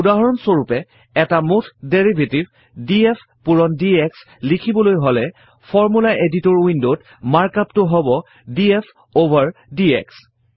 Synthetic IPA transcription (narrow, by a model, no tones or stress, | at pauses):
udaɦɔɹɔnsoɹupɛ | ɛtamotʰdeɹibʱetib | diepʰ | puɹɔndieks | likʰibɔlojɦolɛ | pʰɔɹmulaʔeditɔɹwindot | maɹkaptʊɦɔbɔ | diepʰ | obʱaɹdiḛks